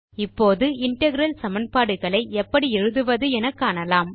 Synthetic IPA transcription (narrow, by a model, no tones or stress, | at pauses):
ɪpːoːðɯɪɳʈɐɣɪɾɐlsɐmɐnpaːɽɯɣɐɭɐɪɛpːɐɽiɛɻɯðɯʋɐðɯɛnɐkːaːnɐlaːm